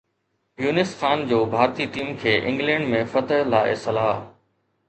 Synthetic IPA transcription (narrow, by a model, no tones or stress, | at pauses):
juːnɪsxaːnd͡ʑoːbʱaːɾt̪iːʈiːmkʰeːʔɪ̰̃ŋɡlɛ̃ːɳɖmẽfɐt̪əɦlaːḛsɐlaː